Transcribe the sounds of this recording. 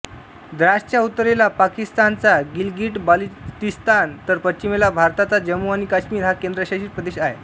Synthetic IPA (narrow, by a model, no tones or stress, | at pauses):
d̪ɾaʂt͡ɕjaut̪ːəɾelapakist̪ant͡saɡilɡiːʈbalit̪ist̪ant̪əɾpət͡ɕimelabʱaɾt̪at͡sad͡ʑəmuañikaɕmiːɾɦakend̪ɾəɕaɕiːt̪pɾəd̪eɕaɦe